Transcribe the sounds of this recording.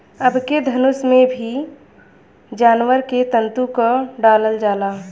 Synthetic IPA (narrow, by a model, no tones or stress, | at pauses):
əbked̪ʱɐnʊsmẽbʱi | d͡ʒaːnwəɾket̪ə̃nt̪ukoɖaːləld͡ʒaːlaː